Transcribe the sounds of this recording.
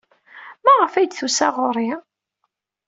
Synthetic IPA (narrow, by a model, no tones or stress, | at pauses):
mæʁəfæjd̪θusæʁʊɾˤi